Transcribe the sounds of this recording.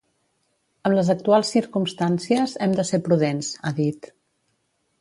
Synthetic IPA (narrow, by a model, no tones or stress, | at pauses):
əmləzək̚t̪ualˠsːiɾkumst̪ansiəzɛmd̪əseɾpɾuðenzaðit̪